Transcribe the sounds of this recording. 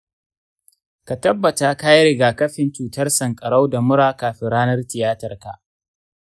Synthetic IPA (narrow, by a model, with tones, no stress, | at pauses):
ka˨tɐ˦bːɐ˨taː˨kaː˦jɾɪ˨ɡaː˨kɐ˦ɸɪ˨nt͡ʃuː˨tɐ˦rsɐ˨ŋkʼɐ˨ɽa˦wda˨mʊ˦ɾaː˦kaː˨ɸɪ˨ɾaː˦nɐ˦rtɪ˨jaː˦tɐ˨rka˨ʔ